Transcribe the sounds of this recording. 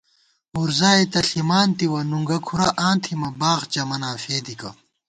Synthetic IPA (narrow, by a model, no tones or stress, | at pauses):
uɾzaːet̪ɐɬimaːnt̪iwɐnuŋɡɐkʰuɾɐʔãːnt̪ʰimɐbaːʁd͡ʑɐmɐnãːfeːd̪ikɐ̰